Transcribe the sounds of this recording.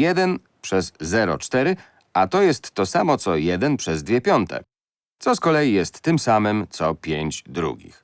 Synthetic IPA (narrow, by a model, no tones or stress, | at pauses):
jɛd̪ɛn | pʂɛzːɛɾɔ̰t͡ʂt̪ɛɾɘ | at̪ɔjɛst̪ːɔsamɔt̪sɔjɛd̪ɛnpʂɛzd̪vʲjɛpʲjɔnt̪ʰɛ̰ | t̪sɔskɔlɛjijɛst̪ːɘmsamɘmt̪sɔpʲjeɲd͡ʑd̪ɾṵɡʲḭx